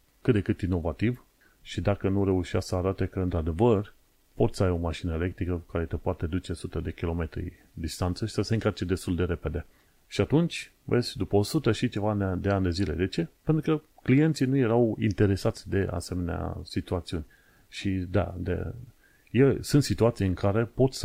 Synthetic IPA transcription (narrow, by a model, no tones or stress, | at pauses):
kɨt̪d̪e̞kɨt̪ino̞vat̪iv | ʃid̪akənuɾe̞uʃiasəaɾat̪e̞kəɨnt̪ɾad̪e̞vər | po̞t̪sʲəajo̞maʃinəe̞le̞k̚t̪ɾikəkaɾe̞t̪epoat̪ed̪ut͡ʃe̞sut̪əd̪e̞kʲilo̞me̞t̪ɾḭ | d̪ist̪ant̪səʃisəse̞ɨŋkart͡ʃe̞d̪e̞st̪uld̪e̞ɾe̞pe̞d̪e̞ | ʃiat̪unt͡ʃʲ | vesʲd̪upəosut̪əʃit͡ʃe̞vand̪eand̪e̞zile̞d̪e̞t͡ʃe̞pent̪ɾukəklije̞nt̪sinuje̞ɾawḭnt̪e̞ɾe̞sat̪sʲd̪e̞ʔa̰se̞me̞nea̰sit̪uat̪siunʲ | ʃid̪a̰d̪ḛ | jesɨnt̪sit̪uat̪sijeɨŋkaɾe̞po̞t̪ʲs